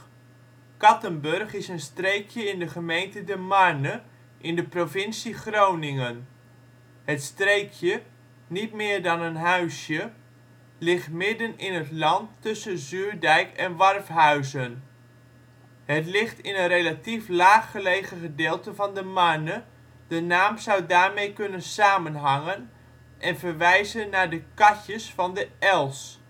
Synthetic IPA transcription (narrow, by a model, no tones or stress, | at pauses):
kɑtənbɵrχɪsənstrejkjəɪndəχəmejntədəmɑnə | ʔɪndəprovɪnsiχrownɪŋən | hətstrejkʰjə | nitmɪːɹdɑnənɦœɥsjə | lɪχtmɪdənɪnətlɑntːɵsənzyːɹdɛjkɛnʋɑrfɦœɥzən | ɦətlɪχtɪnənrejlatiflaːχːəlejχəχədɪːlˠtəvɑndəmɑnə | d̥ənaːmzʌwdaːɹmejkɵnənsaːmənɦɑŋən | ʔɛnvəɹʋɛjzənːaːɹdəkɑcəsfɑndəɛlˠs